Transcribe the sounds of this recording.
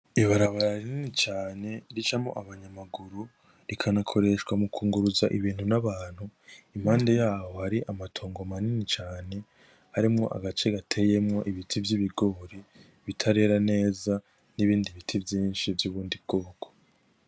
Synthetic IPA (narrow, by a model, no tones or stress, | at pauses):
iβaɾaβaɾaɾininit͡ʃaːne̞ɾit͡ʃamŋo̞̰ʔaβaɲamaɡuɾu | ɾikʰanakʰo̞ɾe̞ʃwamukʰuːŋɡuɾuzaʔiβiːn̥hunaβaːn̥huim̥haːnde̞jaːβo̞haɾiʔamatʰoːŋɡomaninit͡ʃaːne̞ | haɾimŋo̞̰ʔa̰ɡat͡ʃe̞ɡatʰe̞je̞mŋo̞ʔiβitʰivjiβiɡo̞ːɾi | βitʰaɾe̞ɾane̞ːza | niβiːndiβitʰivjiːnʃivjuβuːndiβ̚ɡ̥o̞ːɡ̥o